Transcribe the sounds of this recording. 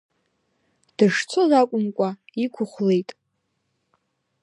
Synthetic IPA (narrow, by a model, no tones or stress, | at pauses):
d̥ɨʂt͡sʰozakʷʼʊmkʷʼaikʷʰʊχʷle̞jtʼ